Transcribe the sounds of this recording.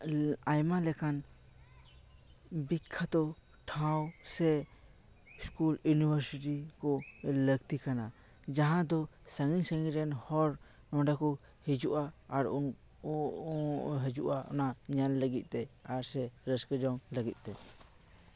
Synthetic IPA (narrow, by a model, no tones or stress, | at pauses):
ajmalɛkan | bikʰːat̪ɔ | ʈʰãwsɛ | skuljunibəɾsiʈikɔləɡt̪ikana | d͡ʒaɦãd̪ɔsəŋiɲsəŋiɾɛnhɔɾ | nɔ̃ɖakɔ | hɛd͡ʒuʔaːɾɔn | ɦəd͡ʒuʔaʔɔ̰naɲalləɡit̪̚ˀt̪ɛaɾsɛɾəskəd͡ʒɔŋləɡit̪̚ˀt̪ɛ